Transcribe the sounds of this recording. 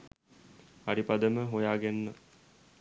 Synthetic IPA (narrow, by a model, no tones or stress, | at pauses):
aɾipad̪əməɦojaːɡenːə